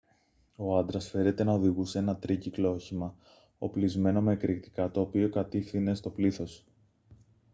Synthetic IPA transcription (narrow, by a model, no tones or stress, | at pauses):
o̞ɐnd̪ɾɐsfe̞ɾe̞t̪e̞nɐo̞ðiɣuseenɐt̪ɾiciklo̞çimɐ | o̰plizme̞no̞me̞kɾikt̪i̥kɐt̪o̞ːpio̞kɐt̪ifθine̞st̪o̞pliθo̞s